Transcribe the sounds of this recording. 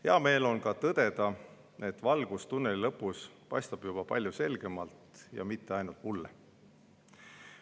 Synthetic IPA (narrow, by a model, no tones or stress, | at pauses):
heɑme̞ːlo̞nkɑt̪ɤd̪̥e̞d̪̥ɑ | e̞t̪ːˑvɑlɡ̥ust̪unːelilɤpːˑuspɑjst̪ɑb̥jub̥ɑpɑlʲjuse̞lɡ̥e̞mɑlt̪jɑ̰mit̪ːe̞ɑjnult̪mulːe